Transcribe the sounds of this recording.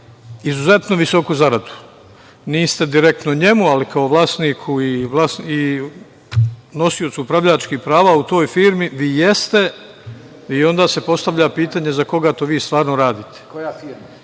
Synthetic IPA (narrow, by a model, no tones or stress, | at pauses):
izuze̞t̪noʋiso̞kuzaɾad̪u̥ | niːst̪e̞d̪iɾe̞k̚t̪noɲe̞mualikaoʋlˠaːst̪niːkʰuiʋlˠasi | no̞sio̞t̪suupɾaʋʎat͡ʃkipɾaːʋaut̪o̞ːjfiːɾmiʋiːje̞st̪e̞ | io̞nd̪aːse̞po̞st̪aʋʎapiːt̪aːɲe̞zako̞ɡat̪o̞ʋiːst̪ʋaːɾnoɾaːd̪iːt̪e̥kojafiɾma